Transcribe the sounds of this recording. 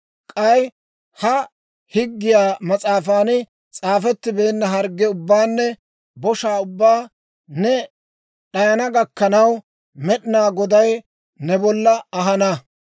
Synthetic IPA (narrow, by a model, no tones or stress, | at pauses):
kʼɐj | hɐ | hɪɡːɪjaːmɐt͡sʼaːfaːnɪ | t͡sʼaːfɛt̪ːɪbeːnːɐɦɐɾɡːɛʊbːaːnːɛ | bɔʃaːʊbːaː | nɛ | ɗɐjɐnɐɡɐkːɐnɐw | mɛɗɪnaːɡɔd̪ɐj | nɛbɔlːɐɐɦɐnɐ